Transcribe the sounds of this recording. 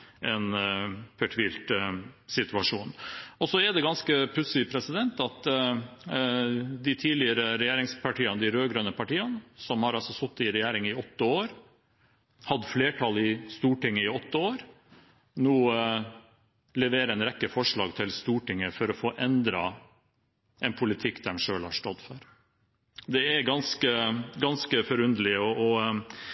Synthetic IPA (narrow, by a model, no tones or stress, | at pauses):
ʔɛnpʰœʈʰʋiːlt̪sɪt̪ʉɑʂuːnɔsɔɛd̪ɛɡɑnskəpʰlʉt̪sɪpʰɾɛsɪd̪ɛnt̪ɑt̪ | d̪ɪt̪ʰiːlɪəɾəɾɛjeːɾɪŋspʰɑʈʰiːənəd̪ɪɾøːɡɾœnəpʰɑʈiːənsɔmhɑɾɑlsɔsɔt̪ːɪɾɛjeːɾɪŋɪɔt̪ːəoːɾ | hɑd̪əfleːʈʰɑlɪst̪uːʈɪŋːəɪɔt̪ːəoːɾ | nuː | lɛʋeːɾəɛnɾɛkːəfɔʂɭɑ̰ːɡt̪ʰɪlst̪uːʈɪŋːəfɔɾɔfoːʔɛnd̪ɾɑ | ɛnpʰʊlɪt̪ʰɪkːd̪æɾnʂøːlhɑʂʈɔd̪fɔ̰ɾ | d̪ɛæɾɡɑnskəɡɑnskəfɔɾʉnd̪əlɪəɔɔ